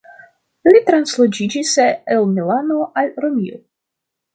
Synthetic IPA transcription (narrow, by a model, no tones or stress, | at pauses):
lit̪ɾanslˠod͡ʒid͡ʒiseelˠmilanoʔalʲɾomʲio̰